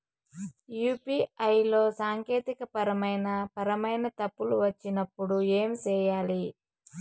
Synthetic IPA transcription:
juːpiːɐjlo̞ːsaːŋke̞ːt̪ikɐpɐɾɐmɐjnɐpɐɾɐmɐjnɐt̪ɐpːuluʋɐt͡ʃːinɐpːuɽue̞ːmt͡ʃɛːjaːli

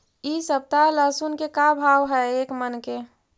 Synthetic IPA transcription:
isəb̚t̪aləsunkekabʱawɦɛeːkmənke

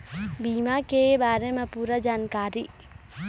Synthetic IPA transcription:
biːmakebaːɾemẽpuːɾɐd͡ʒaːnkaːɾi

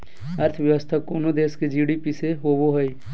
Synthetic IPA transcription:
əɾt̪ʰəʋjəʋəst̪ʰakoːnod̪eːsked͡ʒiɽipiseɦoːboɦəi

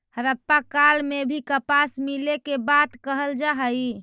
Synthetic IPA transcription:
həɾəpːakalmebʱikəpasmilekebat̪kəɦəld͡ʒaɦəj

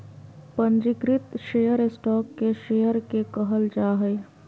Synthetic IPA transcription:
pə̃nd͡ʒɪɡɾɪt̪ʃeːjəɾɪsʈɔːkːeʃeːjəɾkekəɦəld͡ʒaːɦə

